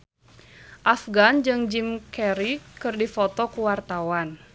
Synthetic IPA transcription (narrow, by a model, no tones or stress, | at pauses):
ʔafɡand͡ʒɨŋd͡ʒimkɛɾikɨrdifɔt̪ɔkuwart̪awan